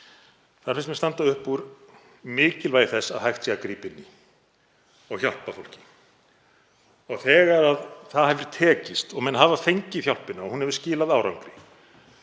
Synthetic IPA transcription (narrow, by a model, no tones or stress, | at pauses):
θaðɾfɪns̬mɛst̪ant̪aʏhpːuɾ | mɪːcɪlvaːjθɛsːaðɦajxt̪sɛːɣakɾiːpɪnːɪ | ɔɣçal̥pafowl̥cɪ̥ | ɔɣθɛːɣaɾaðθaðhɛvɪɾt̪ʰɛːcɪst̪ɔɣmɛnɦaːvafejɲcɪθjawl̥pɪnaɔɣhunhɛvʏ̥scɪːlaðaːwɾawŋkɾɪ